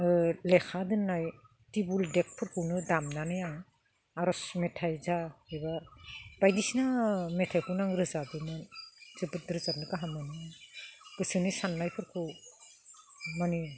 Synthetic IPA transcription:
lekʰadɯnːaj | tibuldek̚pʰɯɾkʰɯwnɯdamnanɯjaŋ | aɾɔsmetʰajzaebabajdisnametʰajkʰɯwnaŋɾɯzadɯmɯnzɯbɯt̚ɾɯzap̚nɯkaɦamɯnɯ | ɡ̥ɯsɯnisanːajpʰɯɾkʰɯw | mani

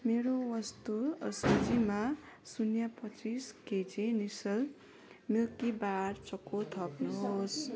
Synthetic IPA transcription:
meɾowʌst̪uʌsʌd͡zima | sunjapʌt͡sisked͡zenisʌl | milkibaɾt͡sʌkot̪ʰʌpnoɦos

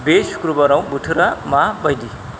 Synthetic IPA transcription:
besu̥kɾubʌɾaw̃buʈʰuɾamabʌjd̪i

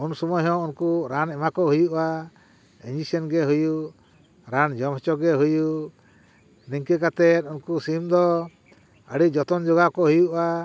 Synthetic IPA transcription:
unsɔmɔjɦɔ̃unkuɾanɛmakɔɦujuʔa | iɲd͡ʒisɛnɡɛɦuju | ɾand͡ʒɔmɔt͡ʃɔɡɛɦuju | niŋkɛkat̪ɛt̪̚unkusimd̪ɔ | əɽid͡ʒɔt̪ɔnd͡ʒɔɡakɔɦujuʔa

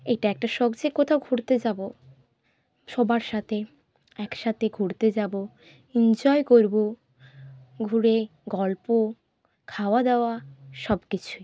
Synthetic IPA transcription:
ejʈaɛk̚ʈaʃɔkd͡ʑekot̪ʰaoɡʱuɾt̪ed͡ʑabo | ʃobaɾʃat̪ʰe | ɛkʃat̪ʰeɡʱuɾt̪ed͡ʑabo | ind͡ʑɔekoɾbo | ɡʱuɾe | ɡɔlpo | kʰaoad̪eoaʃɔbkit͡ɕʰu

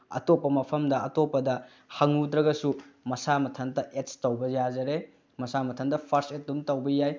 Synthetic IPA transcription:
ɐ̰topːɐmɐpʰɐmdɐɐtopːɐdɐ | hɐŋudɾɐɡɐsumɐsamɐtʰɐntɐʔetstɐwbɐjazɐɾe | mɐsamɐtʰɐntɐpʰɐɾset̚dumtɐwbɐjaj

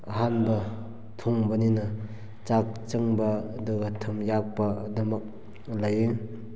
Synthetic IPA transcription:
ɐɦanbɐ | tʰuŋbɐninɐ | t͡ʃak̚t͡ʃɯŋbɐduɡɐtʰɐmjak̚pɐdɐmɐk̚ | laje

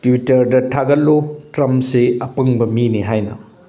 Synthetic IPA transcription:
tiwitɐɾdɐtʰaɡɐlːotɾɐmpseɐpɐŋbɐminiɦajnɐ̰

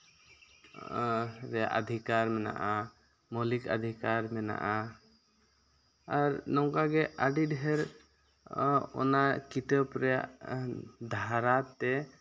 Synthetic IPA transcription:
ɾɛja̰ʔad̪ʱikaɾmɛna̰ʔa | mɔlika̰d̪ʱikaɾmɛna̰ʔa | aɾnɔwkaɡɛaɖiɖɦɛɾ | ɔ̰nakit̪əpɾɛja̰ʔ | d̪ʱaɾat̪ɛ

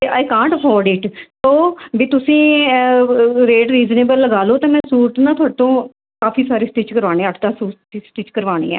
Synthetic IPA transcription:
eʔaːɪkãːɳʈəpʰɔːɾɖɪʈt̪oːʋiːt̪ʊsĩː | ɾeːʈɾiːzneːbəlːəɡaːloːt̪ãːmɛ̃ːsuːɾʈ̪nãːt̪ʰʊaːɖt̪õː | kaːfiːsaːɾeːsʈɪt͡ʃkəɾʋaːnẽːəʈʰd̪aːsuː | isʈɪt͡ʃkəɾʋaːɽḛːɛ̰ː

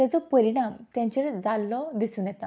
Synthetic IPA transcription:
t̪jat͡sɔpəɾiɽ̃amt̪jãɲt͡ɕed͡zalːɔd̪isuːnjɛt̪a

